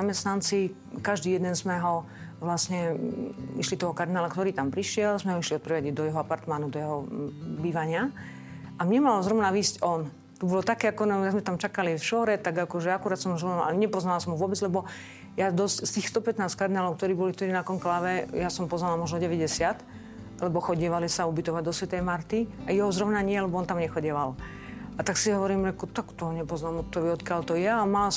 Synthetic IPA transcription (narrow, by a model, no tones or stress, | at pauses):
amɛst̪nant͡si | kaʒd̪iːjɛd̪ɛnzmɛɦɔ | ʋlasɲɛ | ḭʃlit̪ɔɦɔkaɾd̪inaːlakt̪ɔɾiːt̪ampɾiʃɪɛlzmɛɦɔiʃliɔt̪̚pɾɛʋaɟid̪ɔjɛɦɔapaɾt̪manud̪ɔjɛɦɔbiːʋaɲɪa | ʔamɲɛmalɔzɾɔmnaʋiːscɔn | t̪ɔbɔlɔt̪akɛːakɔnajaɡzmɛt̪amt͡ʃakalifʃɔːɾɛt̪aɡakɔʒɛakuɾaːt̪sɔmʒlaa̰ɲɛpɔznalasɔmɦuɔʋʊɔbɛd͡zlɛbɔ | jad̪ɔscst̪iːxst̪ɔpɛt̪naːskard̪inaːlɔʊk̚t̪ɔɾiːbɔlikt̪ɔɾiːnakɔŋklaʋɛjasɔmpɔznalamɔʒnɔɟɛʋɛɟɛsɪat̪ | lɛbɔxɔɟɛʋalisaubit̪ɔʋaɟd̪ɔsʋɛt̪ɛjmaɾt̪iajɛɦɔzɾɔʊnaɲɪɛlɛbɔɔnt̪amɲɛxɔɟɛʋal | at̪aksiɦɔʋɔɾiːmɾɛkɔt̪akt̪ɔɦɔɲɛpɔznaːmɔt̪ɔʋiɔt̪kjalt̪ɔjɛamala